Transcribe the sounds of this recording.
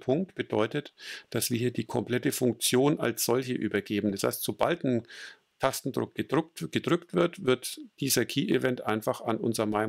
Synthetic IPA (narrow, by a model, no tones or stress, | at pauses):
pʰʊŋk̚tb̥ədɔ̰ʏtətd̥asv̥iːɐiːɐdiːkʰɔmpl̥ɛtəfʊŋk̚t͡sjoːnʔa̰lsz̥ɔlçəʔy̰ːbɐɡeːbm̩dasha̰ɪstz̥oba̰ltn̩ | tʰastn̩dʁʊ̰k̚ə̥ɡ̥ədʁʏktv̥ɪɐtvɪɐtd̥iːzɐkʰiːʔivɛntʔaɪnfaχanʔʊ̰nzəɐmaɪ